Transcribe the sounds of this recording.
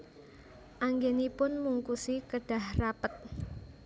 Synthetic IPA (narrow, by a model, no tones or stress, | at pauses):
ʔaŋɡenipʊnmuŋkusikəɖ̥a̤hrapət̪̚